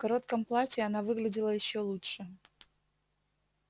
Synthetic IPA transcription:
kɐɾo̞t̪kəmplˠatʲɪɐnavɨɡlʲɪdʲɪlˠəjɪɕːolˠutʂɨ

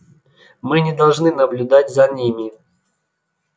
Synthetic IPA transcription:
mɨnʲɪd̪ɐlˠʐnɨnəblʲʊd̪atʲzɐnʲimʲɪ

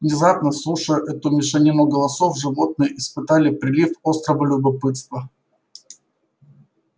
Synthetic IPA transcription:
vnʲɪzapnəslˠuʂəjʊʔɛt̪ʊmʲɪʂɛnʲimʊɡəlˠɐso̞fʐɨvo̞t̪̚nɨjəʔɪspɨt̪alʲɪpɾʲɪlʲifo̞st̪ɾəvəlʲʊbɐpɨt̪st̪və

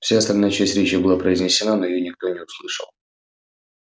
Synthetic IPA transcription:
fsʲaɐst̪ɐlʲnajət͡ɕæsʲtʲɾʲet͡ɕjɪbɨlˠapɾəɪzʲnʲɪsʲːɪnano̞jɪjonʲɪk̚t̪o̞nʲɪʊslˠɨʂə̰lˠ

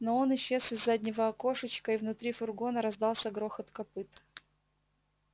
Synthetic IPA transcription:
noo̞nɪɕːe̞sɪzːadʲnʲɪvəɐko̞ʂət͡ɕkəɪvnʊt̪ɾʲifʊrɡo̞nəɾɐzd̪ɑlˠsʲəɡɾo̞xɐt̪kɐpɨt̪

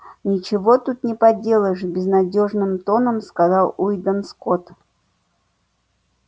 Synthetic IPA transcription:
nʲɪt͡ɕɪvot̪ut̪nʲɪpɐdʲe̞lˠəjʂbʲɪznɐdʲoʐnɨmt̪o̞nəmskazɑlˠujd̪əmskot̪

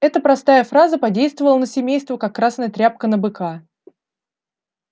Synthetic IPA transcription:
ɛt̪əpɾɐst̪ajəfɾazəpɐdʲejst̪vəvəlˠənəsʲɪmʲejst̪vəkakːɾasnəjət̪ɾʲap̚kənəbɨkʰa

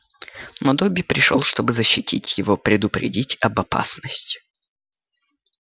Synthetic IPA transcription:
nod̪obʲɪpɾʲɪʂo̰lˠʂt̪o̞bɨzəɕːɪtʲitʲjɪvopɾʲɪd̪ʊpɾʲɪ̰dʲitʲɐbɐpa̰snəsʲtʲɪ̥

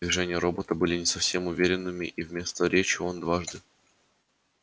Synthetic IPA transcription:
vʲɪʐɛnʲɪjəɾobət̪əbɨlʲɪnʲɪsɐfsʲe̞mʊvʲeɾʲɪnːɨmʲɪʔivʲmʲe̞st̪əɾʲet͡ɕɪond̪vaʐd̪ɨ

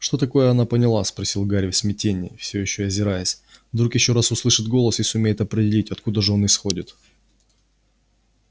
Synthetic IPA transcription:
ʂt̪o̞t̪ɐko̞jəɐnapənʲɪlˠaspɾɐsʲilˠɡaɾʲɪfsʲmʲɪtʲenʲːɪ̰fsʲɪojɪɕːoɐzʲɪɾajɪsʲvd̪ɾukjɪɕːo̞ɾasʊslˠɨʂɨd̪̚ɡo̞lˠəsisʊmʲejɪt̪ɐpɾʲɪdʲɪlʲitʲɐt̪kud̪əʐɨo̞nɪsxo̞dʲɪt̪

